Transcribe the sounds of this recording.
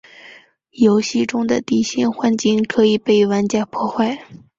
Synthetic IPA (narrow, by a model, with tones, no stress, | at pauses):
jo˧˥ʊɕi˥˧ʈ͡ʂʊ˥ŋd̪ə˨t̪i˥˩ɕi˥˩nxwa˥nt͡ɕi˥˩ŋkʰɤ˧˥i˨˩pe˥˩ɪwa˧˥nt͡ɕja˥˩pʰwɔ˥˧xwa˥˩ɪ